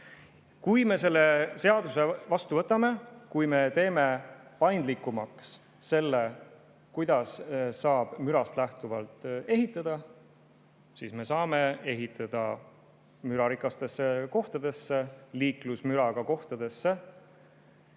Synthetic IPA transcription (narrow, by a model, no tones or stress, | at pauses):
kujme̞se̞lːe̞se̞ɑd̪̥usevɑst̪uvɤ̞t̪ːˑɑme̞kujme̞t̪e̞ːme̞pɑjnd̪likːˑumɑks | se̞lːe | kujd̪̥ɑssɑːb̥myɾɑst̪læht̪uvɑlt̪ˑe̞ɦit̪ˑːɑd̪̥ɑ | siːsme̞sɑːme̞e̞ɦit̪ːˑɑd̪̥ɑ | myɾɑɾikˑɑst̪e̞sːe̞ko̞ht̪ɑd̪̥e̞sːe̞liːklusmyɾɑɡ̥ɑko̞ht̪ɑd̪̥e̞sːe̞